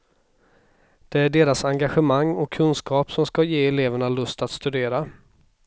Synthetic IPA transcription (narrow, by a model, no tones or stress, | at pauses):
d̪̥ɛæɖeːɾasaŋɡaɧəmaŋːɔkʰːɵnskɑːpsɔmskajeːɛleːvəɳalɵst̪at̪st̪ɵd̪eːɾa